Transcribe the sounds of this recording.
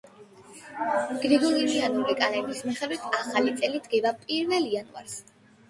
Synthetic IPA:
ɡ̥ɾiɡɔlilianuɾikʼanɛbismɛχɛd̪wit̪ʰaχalit̪sʼɛlid̪ɡɛvapʼiɾvɛlianua̰ɾs

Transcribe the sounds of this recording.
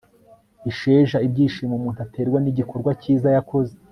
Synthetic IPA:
iʃe̞ːʒaibɟiːʃiːmomuːn̥tatʰe̞ːɾɡwaniɟikʰo̞ɾɡwaciːzajako̞ze

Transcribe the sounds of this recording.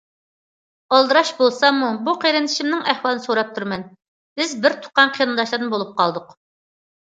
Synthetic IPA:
ɑlˠd̪ɨɾɑʃbolˠsɑmːubuqʰeɾɪnɪʃimnɪŋɛhwɑlˠɨnɨsoɾɑp̚t̪ʰuɾmɛn | b̥ɪzbɪɾt̪ʰʊ̥qːɑnqʰijnd̪ɑʃlˠɨɾnɨbolˠup̚qʰɑlˠd̪ʊq

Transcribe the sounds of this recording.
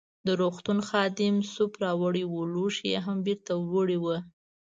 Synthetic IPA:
d̪əɾoxt̪unxɑd̪ɪmsupɾɑwəɽiwuluʃjḛɦambiɾt̪awəɽiwə

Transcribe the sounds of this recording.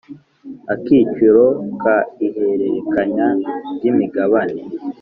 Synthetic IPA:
akit͡ʃiɾokaihe̞ɾeɾekaɲaɾɟimiɡaβane

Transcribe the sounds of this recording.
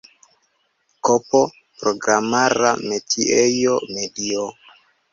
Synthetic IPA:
kopo | pɾoɡɾamaɾa̰metʰiejomedio

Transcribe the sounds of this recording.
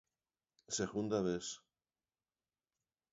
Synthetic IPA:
seɣund̪aβes

